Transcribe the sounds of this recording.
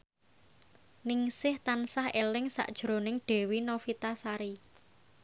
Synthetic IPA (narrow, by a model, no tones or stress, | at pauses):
nɪŋsɪht̪ansahelɪŋsa̰ʔd̥ʒ̥ɾo̤nɪŋɖ̥e̤winofit̪asaɾi